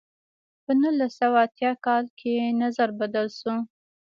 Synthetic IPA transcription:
pənulasawaat̪jɑkɑlkʰenazaɾbad̪əlsu

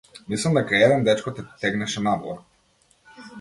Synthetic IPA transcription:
mislˠamd̪ɛkajɛd̪ɛnd̪ɛt͡ʃkɔt̪ɛt̪ɛɡnɛʃɛnabɔ̰

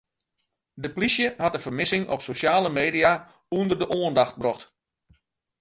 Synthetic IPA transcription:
dəplisjəhatəfərmɪsɪŋʔɔ̰psosaːləmeːdia | uəndərdəʔoəndaxt̚brɔxt

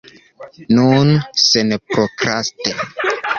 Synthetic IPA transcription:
nunsenepɾokɾaste

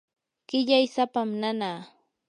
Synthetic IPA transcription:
ɢ̥ɪʎajsapamnanaː

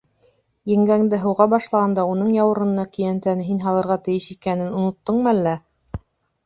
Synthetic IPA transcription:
jɘ̆ŋɡæŋd̪ɘɦɤ̆wʁɑbɑʃlˠɑʁɑnd̪ɑunɤɴjɑwɤ̆ɾɤ̆nɤ̆nɑkɵ̆jænt̪ænɘɦinɦɑlˠɤ̆ɾʁɑt̪ɘ̆jɘʃikænɘnŏnŏt̪ːɤɴmɤælːæ

